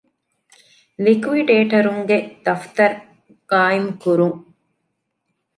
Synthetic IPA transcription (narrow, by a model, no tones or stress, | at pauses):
likʋiɖeːʈɐɾuŋɡed̪̥ɐft̪ɐɾ | ɡ̥aːjimkuɾuŋ